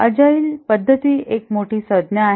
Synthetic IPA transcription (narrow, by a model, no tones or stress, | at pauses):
əd͡ʑaiːlpəd̪ʱːət̪iːek̚moʈʰiːsəd̪njaːɦ